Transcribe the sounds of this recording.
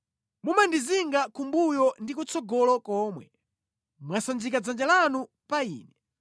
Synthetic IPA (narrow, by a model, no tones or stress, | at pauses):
mumandiziŋɡakumbujɔndikut͡sɔɡɔlɔkɔːmwɛ | mwasanzikad͡zand͡ʒalanu | paiːnɛ